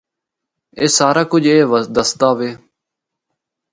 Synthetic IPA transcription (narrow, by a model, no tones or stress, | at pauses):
eːsaːɾaːkʊd͡ʒʱeːʋəd̪əst̪aːʋeː